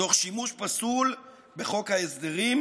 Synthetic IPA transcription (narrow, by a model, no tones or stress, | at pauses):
o̞χʃimuʃpasul | beχo̞khaesd̪eʁim